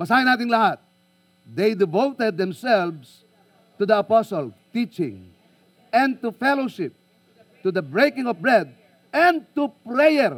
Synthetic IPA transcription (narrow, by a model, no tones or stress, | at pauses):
bɐsaːjɪnaːt̪ɪŋlɐhat̪̚ | d̪ejd̪ɪvowt̪ɛd̪̚ːɛ̃msɛlvs | t̪ud̪ɐɐpɔsɔlt̪it͡ʃɪ̰̃ŋ | ɛ̃nt̪ufɛloʃɪp̚ | t̪ʊd̪ɐbɹejkɪ̃ŋɔfbɹɛd̪̚ | ɛ̃n̚t̪upɾɛjɛɹ